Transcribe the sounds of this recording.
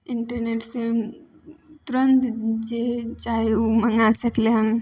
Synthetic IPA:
iɳʈəɾneʈsẽ | t̪uɾənt̪d͡ʒet͡ʃaɦeuməŋɡasəkleɦən

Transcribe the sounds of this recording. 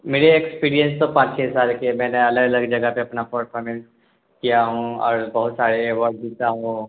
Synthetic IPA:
meːɾeekspiːɾijə̃nst̪opãːt͡ʃt͡ʃʰɛːsaːlkemɛ̃ːneɐləɡɐləɡd͡ʒɐɡəpeɐpnapɐɾpʰɔːɾmɛ̃ns | kijaɦũɔ̰ːɾbɐɦʊt̪saːɾeewɔːɾʈ̚dit̪aɦõ

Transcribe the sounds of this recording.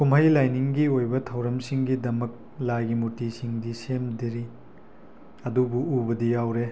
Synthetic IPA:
kumɦɐjlajniŋɡiojbɐtʰɐwɾɐmsiŋɡidɐmɐk̚ | laɡimutisiŋdisemdiɾi | ɐdubuubɐdijawɾe

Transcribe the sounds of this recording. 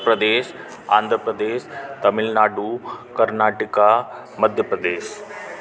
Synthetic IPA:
pɾəd̪eːʃ | ãːnd̪ʱɾəpɾɐd̪eːʃt̪ɐmɪlnaːɖukɐɾnaːʈika | mɐd̪ʱjəpɾɐd̪eːʃ

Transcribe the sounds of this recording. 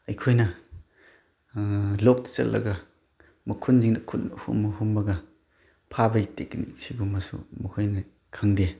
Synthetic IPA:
ɐjkʰojnɐ | lɔk̚di̥t͡ʃɐ̰lːʔɐ̰ɡɐ | mɐkʰunziŋnɐkʰunhṵmɐhumbɐɡɐ | pʰabɐjteknḭsibumɐsṵmɐhojnɐ | kʰaŋde

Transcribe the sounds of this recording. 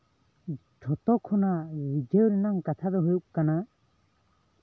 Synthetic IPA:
tʰɔt̪ɔkʰunawid͡ʒewɾinaŋkat̪ʰad̪ɔɦujuʔ̚kana

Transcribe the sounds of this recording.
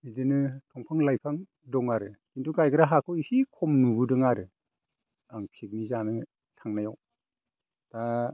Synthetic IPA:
idɯnɯtʰɔŋpʰaŋlajpʰaŋ | dɔŋaɾɯkintʰuɡajɡɯɾaɦakʰɔwisikʰɔmnubɯdɯŋaɾɯ | aŋpʰik̚mizanɯ | tʰaŋnajaw | ta

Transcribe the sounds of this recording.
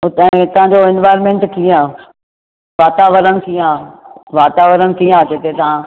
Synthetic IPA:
ʊt̪ə̃t̪ɐʋ̤ãɲd͡ʑoɪnʋaːɪɾmẽɳʈkʰiãː | ʋaːt̪aːʋəɾənk̪ʰijãːʋaːt̪aːʋəɾənk̪iːãːd͡ʑet̪et̪ɐɦã

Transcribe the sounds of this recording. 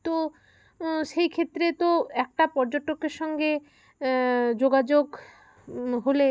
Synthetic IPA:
t̪o | ʃejkʰet̪ːɾet̪oɛk̚ʈapɔɾd͡ʑoʈokːeɾʃɔŋɡe | d͡ʑoɡad͡ʑoɡ | ɦole

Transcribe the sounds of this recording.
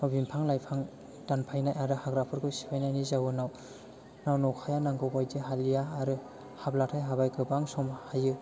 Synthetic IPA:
mabimpʰaŋlajpʰaŋ | danpʰajnajʔaɾɯhaɡɾapʰɯɾɡɯsi̥pʰajnajnizawɯnaw | nawnɔwkʰajanaŋɡɯɡajdiɦalijaːɾɯ | hablatʰajɦabajɡɯbaŋsɔmhajɯ

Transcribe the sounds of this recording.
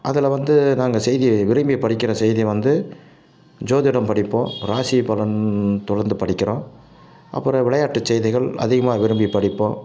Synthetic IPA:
ʔɐðɪlʋɐnd̪ɯnaːŋɡɐsɛjðiʋɪɾɯmbipɐɽɪkːɪɾɐsɛjðiʋɐnd̪ɯ | d͡ʒoːðɪɽɐmpɐɽɪpːõːɾaːsipɐlɐnt̪ʊɽɐɾnd̪ɯpɐɽɪkːɪɾõː | ʔɐ̰pːɯɾɐ̃ʋɪɭɐjaːʈːɯt͡ʃːɛjðɪɣɐɭɐ̰ðɪɣɐmaːʋɪɾɯmbipɐɽɪpːõː

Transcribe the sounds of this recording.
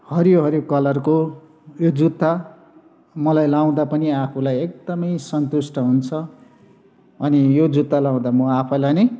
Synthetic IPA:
hʌɾioɦʌɾjokʌlʌrko | jod͡zut̪ːa | mʌlajlaw̃d̪apʌniapʰulajek̚d̪ʌmʌjsʌnt̪usʈʌɦunt͡sʰʌ | ʌnijod͡zut̪ːalaw̃d̪amʌapʰʌlajne

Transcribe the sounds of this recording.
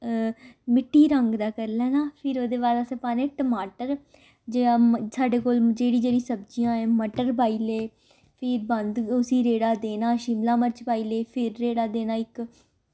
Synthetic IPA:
mɪʈːiːɾəŋɡd̪aːkəɾlɛːnãːpʰɪɾoːd̪eːʋaːɾasẽpaːnẽːʈəmaːʈəɾ | d͡ʒeːsaːɖeːkoːld͡ʒeːɽĩːd͡ʒeːɽĩːsəbd͡ʒijãːɛ̃ːməʈəɾbaːiːleː | pʰɪɾbənd̪ʊsĩːɾeːɽaːd̪eːnãːʃɪmlãːməɾt͡ʃpaːiːleːpʰɪɾːeːɽaːd̪eːnaːɪk

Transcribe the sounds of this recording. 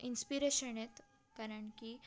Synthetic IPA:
inspiɾeɕəɳet̪ | kaɾəɳki

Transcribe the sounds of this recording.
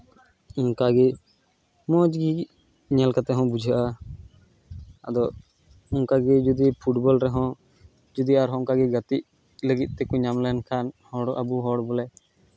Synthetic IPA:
ɔŋkaɡi | mɔd͡ʒɡi | ɲɛlkat̪ɛɦɔ̃bud͡ʒʱaʔa | a̰d̪ɔ | uŋkaɡid͡ʒud̪ipʰuʈbɔlɾɛɦɔ̃ | d͡ʒud̪iaɾɦɔ̃ŋkaɡiɡat̪iʔ̚ | ləɡit̪̚ˀt̪ɛkuɲamlɛnkʰanhɔɽʔa̰buɦɔɽbɔlɛ

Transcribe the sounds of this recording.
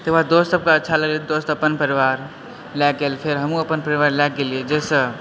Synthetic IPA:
t̪əad̪ost̪səb̚keətːʃʰaləɡled̪ost̪əpənpəɾiʋaɾ | lɛkɡelpʰeɾɦəmũəpənpəɾiʋaɾlɛkɡelied͡ʒesə̃

